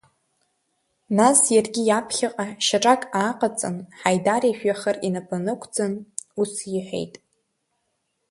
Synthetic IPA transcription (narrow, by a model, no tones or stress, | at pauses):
nasjarɡʲijapʰχʲaqʼaʃaʈ͡ʂʼakʼaːqʼat͡sʼɨ̰nħajdaɾiʃᶣaχərinapʰʼanɨkʷʰd͡zɨnusjɪħʷᶣḛjtʼ